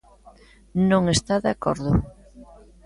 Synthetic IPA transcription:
nõŋest̪aðakɔ̰ɾðʊ

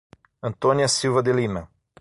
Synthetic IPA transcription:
ɐ̃nt̪õniɐsiwvɐd̪elimɐ

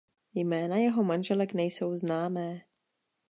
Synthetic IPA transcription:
jmɛːnajɛɦo̞manʒɛlɛknɛjso̞wznaːmɛː

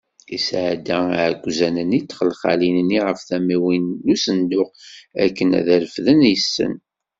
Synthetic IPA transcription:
isʕd̪æʕɡʷːzænənit͡s̪ːχəlχa̰linnːiʁəfθæmiwinːusənd̪ʊqæ̰kːənæ̰ðæɾəfðənjəsːə̰n

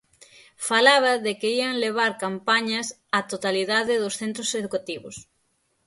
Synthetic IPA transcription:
falaβɐðɪkeiaŋleβ̞aɾkampaɲɐs | at̪ot̪aliðaðɪðosθent̪ɾoseðukat̪iβʊ̰s

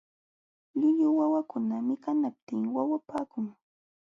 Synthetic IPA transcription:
lɪʎʊwawakʊnamɪkanap̚t̪ɪŋwawapaːkʊŋ

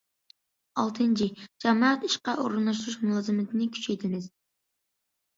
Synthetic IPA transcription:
ɑ̰lˠt̪ʰɨnt͡ʃʰid͡ʒɑmɑːɑt̪iʃqɑʔo̰ɾɨnɑʃ̬ɾuʃmulˠɑːzɨmɪt̪ʰɪnɪkʲʰy̥t͡ʃʰejt̪ʰɪmɪz̥

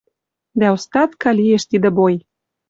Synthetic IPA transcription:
d̪æust̪ɑt̪kɑlijeʃt̪id̪ə̆boj

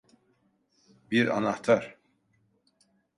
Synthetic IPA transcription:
biɾa̰naht̪ʰaɾ

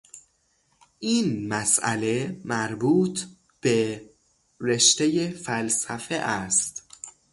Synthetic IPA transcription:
ʔiːnmæsʔæ̰le̞mæɾbuːt̪ʰ | b̥e | ɾe̞ʃt̪ejefælsæfeʔæst̪

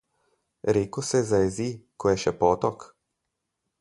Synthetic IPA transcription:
ɾeːkɔsɛzajɛzikʰɔjɛʃɛpɔːt̪ɔk

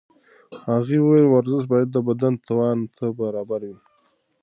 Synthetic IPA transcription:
haɣiwwelwaɾzɪʃbɑjad̪̚ːəbad̪ant̪ʰawɑnt̪ʰabaɾɑbaɾwi

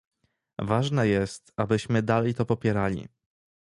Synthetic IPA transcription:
vaʐnɛjɛst̪abɘɕmɘd̪alɛjt̪ɔpɔpʲjɛɾalʲḭ

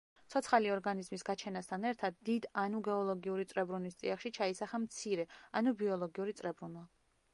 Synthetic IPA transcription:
t̪sʰɔt̪sʰχaliɔɾɡanizmisɡat͡ʃʰɛnast̪ʰanɛɾt̪ʰad̪ːid̪anuɡɛɔlˠɔɡiuɾit̪sʼɾɛbɾunist̪ʼḭaχʃit͡ʃʰaisaχamt̪sʰiɾɛanubiɔlˠɔɡiuɾit̪sʼɾɛbɾunwa

